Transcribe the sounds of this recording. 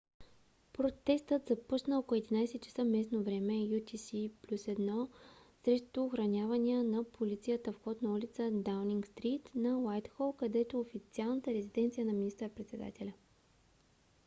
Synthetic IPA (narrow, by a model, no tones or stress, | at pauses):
pɾot̪ɛst̪ət̪zɐpɔt͡ʃnəokɛd̪inajsɛt̪t͡ʃə̥səmɛsnovɾɛmɛjut̪isiplʲusɛd̪nɔsɾɛʃt̪ʊːxɾɐnʲavɐnʲiənɐpʰolit̪sijət̪əfxɔt̪nɐulʲit̪səd̪awniŋɡst̪ɾit̪nɐwajt̪xɔlˠkɐd̪ɛt̪oːfit̪sialˠnət̪əɾɛzid̪ɛnt̪sijənɐminist̪əɾəpɾɛt̪sɛd̪a̰t̪ɛlʲɐ